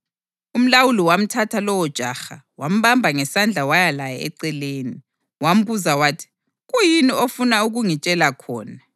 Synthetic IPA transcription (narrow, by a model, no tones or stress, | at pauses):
um̩lawuliwam̩tʰatʰalɔwɔd̥ʒ̥ʱaxa̰wam̩βambʱaŋɛsand͡ɮʱawajalajɛ̰ɛ̰ǀɛleːni | wam̩βuzawaːtʰi̥ | ɣujiniofunauɣuŋit͡ʃʼɛlakʰɔ̰ːna